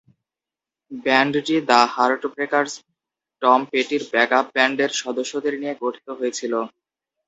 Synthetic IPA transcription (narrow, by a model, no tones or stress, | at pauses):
bɛɳɖʈid̪ahaɾoʈbɾekaɾs | ʈɔmpeʈiɾbɛkap̚bɛɳɖeɾʃɔd̪oʃːod̪eɾnijeɡoʈʰi̥t̪oɦojet͡ɕʰilo